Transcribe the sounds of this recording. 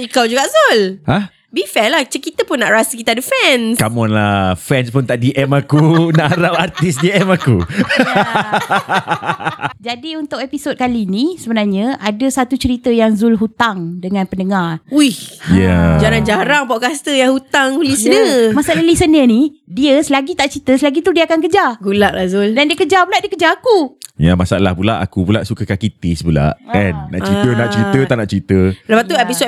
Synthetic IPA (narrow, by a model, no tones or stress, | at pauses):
ikawd͡ʒuɡaʔzulhah | bifɛlaht͡ʃəkit̪əpʊnːaʔɾasəkit̪adəfɛnskamɔnla̰hfɛnspʊnt̪aʔdiʔɛmakunaʔɾawart̪isdiɛmakṵ | d͡ʒadiunt̪ʊkepisod̚kalinisəbənarɲaʔadəsat̪ut͡ʃəɾit̪əjaŋzulɦut̪aŋdəŋãnpənəŋaruihjad͡ʒaɾand͡ʒaɾaŋpɔʔkast̪əjaŋhut̪aŋulisənəmasaʔalalisənənidiəsəlaɡit̪aʔt͡ʃəɾit̪əsəlaɡit̪udiəakankəd͡ʒaɡulaʔlahzuldandiəkəd͡ʒabulaʔdiəkəd͡ʒaakujamasaalahbulaʔa̰kubula̰ʔsukəkakit̪ɪsbula̰ʔanːa̰ʔt͡ʃɾit̪ənaʔt͡ʃəɾit̪ət̪aʔnaʔt͡ʃəɾit̪ələpaʔ̪uepiso